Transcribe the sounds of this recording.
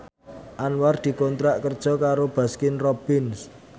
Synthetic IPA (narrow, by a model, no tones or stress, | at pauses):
ʔanward̪̥i̤kɔnt̪ɾaʔkərd̥ʒ̥ɔ̤kaɾob̥a̤skɪnrɔb̥ɪns